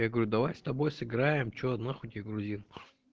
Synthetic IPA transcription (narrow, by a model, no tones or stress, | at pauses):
jaɡəvɐɾʲud̪ɐvajst̪ɐbojsɨɡɾajɪmt͡ɕoɐd̪naxot̪ʲjaɡɾʊzʲin